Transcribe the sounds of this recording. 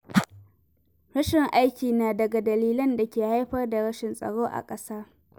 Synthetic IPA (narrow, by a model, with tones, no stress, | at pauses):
ɽɐ˦ʃɪ˨ŋʔa˦jkʲiː˨naː˨dɐ˨ɡa˨dɐ˨liː˦lɐ˦nda˨kʲeː˨ha˦jɸɐ˦rda˨ɽɐ˦ʃɪ˨nsʼɐ̰˨ɽoː˦ʔa̰˨kʼɐ˦saː˦